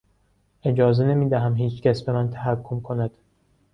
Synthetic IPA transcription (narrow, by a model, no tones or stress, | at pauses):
ʔe̞d͡ʒɒːze̞ne̞miːd̪æɦæmɦiːt͡ʃcæsbe̞mænt̪ʰæɦækʰːomkʰo̞næd̪̥